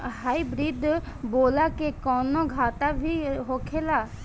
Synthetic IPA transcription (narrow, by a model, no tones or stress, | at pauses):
ɦajbɾid̪ʱ | bolakekɔnɔɡʱat̪abʱiɦokʰela